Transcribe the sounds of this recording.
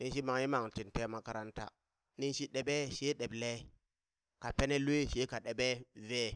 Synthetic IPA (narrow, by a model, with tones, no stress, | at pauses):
ni˦nʃi˦ma˨ŋi˦ma˨ŋti˨nte˦ma˦ka˦ɾa˦nta̰˦ | ni˦nʃi˦ɗe˨ɓe˦ʃe˦ɗe˨ble˦ | ka˨pe˦ne˦lu˦e˦ʃe˦ka˨ɗe˨ɓe˦ve˦